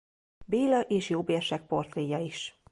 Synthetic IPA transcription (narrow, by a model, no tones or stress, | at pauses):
beːlɒʔeːʃjoːbeːrʃɛk̚po̞rt̪reːjɒiʃ